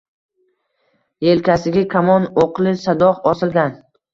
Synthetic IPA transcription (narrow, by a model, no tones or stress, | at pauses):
jelkʲʰasɪɡʲakʲʰamɒnoqlˠɪsad̪ɒhɒsɪlɡʲan